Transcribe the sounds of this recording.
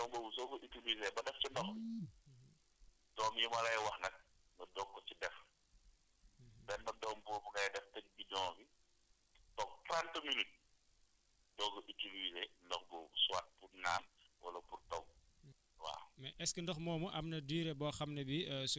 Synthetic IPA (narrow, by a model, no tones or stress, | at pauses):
dɔŋɡɔsɔɡɔʔitilizɛbɐdɛft͡ʃindɔx | dɔːmjimɐlɐjwɐxnɐk̚ | ŋɡɐdɔːŋkːɔt͡ʃidɛf | bɛndɐdɔːmbɔbuɡɐjdɛftɐk̚bidɔŋfi | tɔk̚tɾantminit̚ | dɔːɡɔʔitilizɛndɔŋɡɔsuwaːt̚purnaːnwʔɐ̰lɐpurtɐw | wa̰ːmɛʔɛskəndɔxmɔːmuʔɐmnɐdiːɾɛbɔːxɐmnɐbis